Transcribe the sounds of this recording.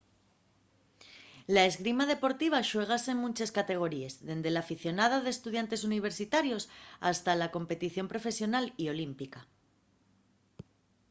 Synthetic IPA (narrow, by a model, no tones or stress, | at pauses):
lae̞zɣɾimað̞e̞po̞ɾt̪iβ̞aʃwe̞ɣ̞ase̞ŋmũnt͡ʃeskat̪e̞ɣ̞o̞ɾie̞zðe̞nd̪e̞laːfiθjo̞nað̞aðest̪uðjant̪e̞s̬uniβ̞e̞ɾsit̪aɾjo̞sa̰st̪alako̞mpe̞t̪iθjo̞mpɾo̞fe̞sjo̞nalio̞limpika